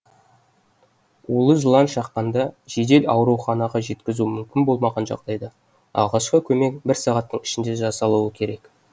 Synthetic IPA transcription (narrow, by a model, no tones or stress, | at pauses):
ulˠəʒəlˠɑnʃɑqːɑnd̪ɑʒe̞d̪e̞lɑwɾuwχɑnɑʁɑʒe̞t̪kʲɪzumʏmkʲɪnbo̞lˠmɑʁɑnʒɑ̰qd̪̥ɑjd̪ɑ | ɑ̰lˠʁɑʃqəkʲʰɵme̞k̚bɪɾsɑʁɑt̪ːəɴɪ̥ʃɪnd̪e̞ʒɑsɑlˠuwəkʲʰe̞ɾe̞k